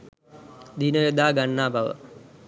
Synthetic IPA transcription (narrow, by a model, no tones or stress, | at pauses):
d̪inəʋed̪aːɡanːaːbʱaʋə̰